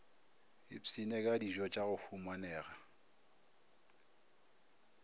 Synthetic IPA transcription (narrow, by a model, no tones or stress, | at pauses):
ɪsinekʼadiʒɔt͡ʃʼaɣʊfumanɛːɣa